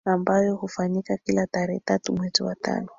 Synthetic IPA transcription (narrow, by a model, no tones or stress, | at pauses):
ambajɔhufaɲikakilataɾɛɛtatumwɛziwata̰nɔ